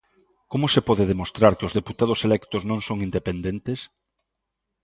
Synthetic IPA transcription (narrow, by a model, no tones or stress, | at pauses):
komʊsepɔðeðemost̪ɾaɾkeozðeput̪að̞ʊselɛkt̪oznõŋsoŋind̪epend̪ent̪es